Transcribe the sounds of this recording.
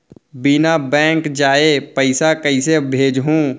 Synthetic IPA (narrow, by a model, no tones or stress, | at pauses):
binabɛ̃ːŋkd͡ʒaːepɐɪsakɐɪsebʱeːd͡ʒɦũː